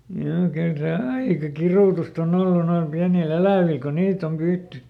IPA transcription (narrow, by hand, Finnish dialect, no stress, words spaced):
joː kyl se ɑikɑ kiruˑtust on olːu noil piænil elæˑʋiˑl̆ ko niːt om pyːtːy